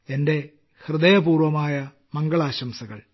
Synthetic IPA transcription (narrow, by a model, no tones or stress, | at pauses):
e̞nde̞ | hrɨd̪ɐjɐpuːrʋɐmaːjɐ | mɐŋɡɐɭaːɕɐmsɐɣɐ̰ɭ